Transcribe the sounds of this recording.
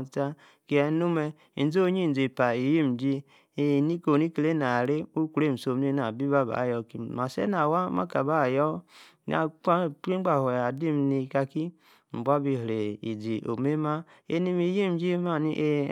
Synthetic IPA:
ta˦ | ki˦ɛ˨˦nu˦me˦ | i˨n˨˦d͡zo˦ɲi˦˨d͡ze˨pa˨i˨ji˦m˨d͡ʒi˦ | e˦˨ni˦ko˨ni˦ke˨le˦na˨ɾe˦u˦ku˨ɾe˦˨m̩˨so˨m˦e˦na˨bi˦ba˦˨ba̰˨˦˨jɔ˦ki˨ma˨sḛ˦na˨wa˦ma̰˦ka˨ba˦˨jɔ˦ | n̰˦a˨a˦˨k͡pɾi˦ɡ͡ba˨ho˨ja˨di˦m˦ni˧ka˧ki˦ | m̩˨bʷa˦bi˦˧ɦɾe˨ḭ˨d͡zi˨ʔo̰˨me˦ma˦e˦ni˦mi˨˦ji˦m˨d͡ʒi˦ma˦˨ni˦ʔe˦

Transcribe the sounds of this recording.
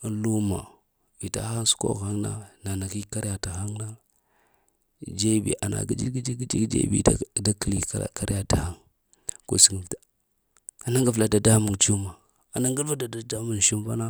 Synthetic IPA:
lu˦ma̰˨ | vi˨ta̰˦a˦n˦su̥˦ko̰˦ɣa˦ŋna̰˦na˨na˨ki˦ka˦ɾja˨ta˨xa˦ŋna˦ | d͡ʒe˦bḭ˨ʔa˨na̰˨ɡi˦d͡ʒi˦ɡi˦d͡ʒi˦ɡi˦d͡ʒḭ˦ɡd͡ʒḛ˦bḭ˨˦da˦ki˨lḭ˦˨ka˦ɾja˨ta˨ha˦ŋ | ko̰˦si˦ŋi˨vtḁ˨ | a˨na˦ŋɡa˨vla˨da˨da˦mu˨nt͡ʃu˦ma˨ | a˨na˦ŋɡa˦ɾva˦da˨da˨da˦mu˨n˨ʃi˦mva˦na˦

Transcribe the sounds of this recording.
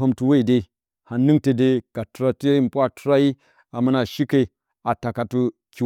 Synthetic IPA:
o˦mtu˨we˦i˨de˨ | ha˨nɨ˦ŋte˨de˦ka˨tu˨ɾa˨te˦m˨pu˦a˨tu˦ɾa˦ji˦ | a˨mu˦na˨ʃi˦ke˨ | a˨ta˨ka˨tu˦ | kʲi˨

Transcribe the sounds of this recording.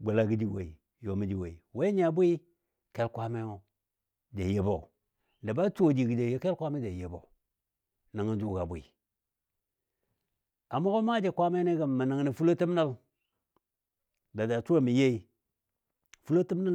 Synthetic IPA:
ɡ͡ba˨la˦˨ɡi˦d͡ʒi˨wḛ˨i˨ | jo˨mi˨d͡ʒi˨we˨i˨we˦ɲ˦a˨bʷi˦ | ke˦lkʷa˦me˦o˦ | da˨je˨bo˨ | da˨ba˦to˦˨d͡ʒi˨ɡi˨d͡ʒe˨je˦ke˦lkʷa˦me˦d͡ʒa˨je˨bo̰˨ | na˨ŋa˨d͡ʒu˦˨ɡa˨bʷi˨ | a˨mo˦ɡo˦ma˦d͡ʒe˨kʷa˦me˦ne˦ɡa˨mːa˨na˨ŋ˨ni˨fu˦lo˦ti˦m˦na˦l | da˨da˨tu˦a˦mi˨je˦i˦ | fu˦lo˦ti˦mna˦

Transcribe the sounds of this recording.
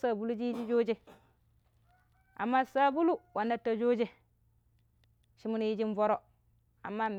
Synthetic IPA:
sa˦bu˦lu˦d͡ʒi˦ji˦d͡ʒi˦d͡ʒo˦d͡ʒe˦ | a̰˨mːa˦sa˦bu˦lu˦wa˨nːa˦tːa˨d͡ʒo˦d͡ʒe˨ | ʃi˦mu˦n˦ji˦d͡ʒi˦n˦vo˦ɾo˦ | a̰˨mːa˦m

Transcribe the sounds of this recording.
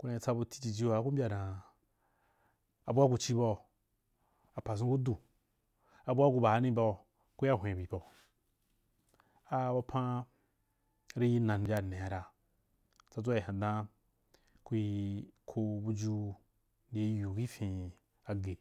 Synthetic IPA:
ku˦nã˧i˧˨t͡sa˧bu˧ti̥˦t͡ʃi˧d͡ʒi˦wa˨˦ku˦m˦bʲa˧dã˨ | a˨bu˦a˦ku˧t͡ʃi˦bo˧˨ | a˨pa˨s̬ũ˦ku˦du˨ | a˨bu˦a˦ku˧ba˨˦nĩ˦ba˧˨ | ku˦i˦a˦˨ɦʷẽ˨bi˨bo˨ | a˦wa˧˦pʰã˦ | ɾi˦ji˦nã˨n˨bʲa˨nẽ˨a˨ɾa˨ | t͡sa˧d͡zʷa˦i˨hã˨dã˦ | ku˦ji˧kʰo˧bu˧d͡ʒu˧˦ | de˨˦ju˨ki˦fĩ˨ | a˨ɡe˨

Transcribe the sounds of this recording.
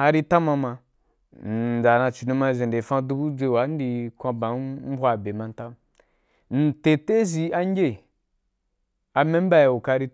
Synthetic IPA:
a˧ɾi˦ta˦ma˧ma˧˨ | d͡za˨na˧t͡ʃi˨nu˧ma˧˨ze˨de˨fã˦du˦bu˦d͡zʷe˧˨wa˨˦n̩˦di˧kʷã˧ba˨m̩˦bʷa˦˨be˨mã˨˧n̩˦ta˦m | n̩˨te˨te˦zi˧a˦ŋ˦ɡʲe˦ | a˧mẽ˦m˦ba˦je˨u˨ka˧˦ɾi˦

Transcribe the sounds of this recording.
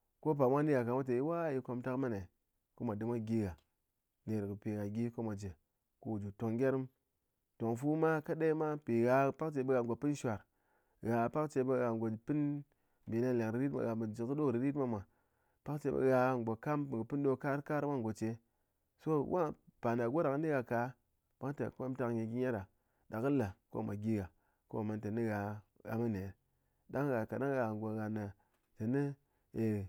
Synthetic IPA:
ko˦p̬a˨mʷa˦ni˦ɡa˨ka˨mʷa˦t̬e˨i˦wa˦ji˨˦ko˧mta˦kma˦ne˨ | ko˦ma˨dɨ˨mʷa˦ɡʲi˦ɡa˨ | ne˨ɾkɨ˨pi˨ɡa˨ɡʲi˦ko˦ma˨d͡ʒe˨ | ko˦wu˨d͡ʒu˨to˨ŋɡʲe˦ɾi˦m | to˨ŋfu˦ma˦ka˦ɗe˦i˦ma˦pi˨ɣa˨pa˦kt͡ʃe˧bə˦ɣa˨ŋɡo˨pɨ˦n˦ʃʷa˨ɾ | ɣa˨pa˦kt͡ʃe˧bə˦ɣa˨ŋɡo˨pi˦n | mbe˨na˦le˨ŋɾi˨ɾi˦ta̰˨ɣa˨m˨d͡ʒi˨kɗo˦ɾi˨ɾi˦tma˦mʷa˨ | pa˦kt͡ʃe˧˦bə̰˨ɣa˧˨ŋ˨ɡo˨ka˦mpɡpɨ˦n˦ɗo˧ka˦ɾka˦ɾwa˦ŋ˨ɡo˨t͡ʃe˧ | so˦wa˦pa˨na˨ɡo˦da˨kni˦ɣa˨ka˨˦ | ma˦ŋ˦ta̰˨kʷo˦m˦ta˧kɲe˨ɡi˦ɲa˦ɾa˨ | da˨kɨ˦la˨ko̰˦˨mʷa̰˨ɡi˦ɣa˨ | ko̰˦˨ma˨nte˨ni˦ɣa˨ɣa̰˨ma˦ne˨˦ | da˦ŋ˦ɣa˨ka˨na˦ŋ˦ɣa˨ɡo˨ɣa˨na˨ | te˨ni˦ | e˨

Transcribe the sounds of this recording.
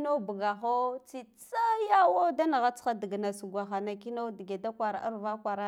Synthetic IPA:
no˦bu˨ɡa˨xo˦t͡si˦t͡sa˦ja˦wo˦da˦na˨ɣa˦t͡sa˦di˨ɡna˨su˨ɡʷa˨xa˨na˨ki˦no˦di˨ɡe˨da˦kʷa˨ɾa̰˨ʔa̰˦ɾva˦kʷa˨ɾa˦

